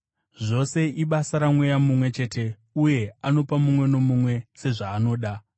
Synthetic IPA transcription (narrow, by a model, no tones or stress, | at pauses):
ʐo̞se̞ʔiɓasaɾamwejamumwe̞t͡ʃe̞ːte̞ | uje̞ano̞pamumwe̞no̞mumwe̞se̞ʐaːno̞ːɗa